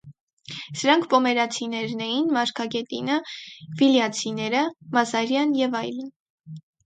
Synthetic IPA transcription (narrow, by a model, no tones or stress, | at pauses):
səɾɑŋkʰpɔmɛɾɑt͡sʰinɛɾnɛjinmɑɾkʰɑɡɛt̪inəviljɑt͡sʰinɛɾəmɑzɑɾjɑnjɛvɑjlən